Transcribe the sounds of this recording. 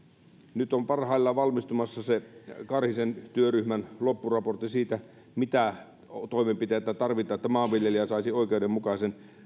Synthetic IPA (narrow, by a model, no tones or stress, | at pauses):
nyt̪ompɑrhɑilːɑʋɑlmist̪umɑsːɑsekɑrhisent̪yøryhmænlopːurɑport̪ːˑisiːt̪æ | mit̪æ | t̪oimempit̪eːt̪ːæt̪ɑrʋit̪ˑɑːet̪ːæmɑːʋʋiljeliæsɑˑisioˑikeudemukɑisen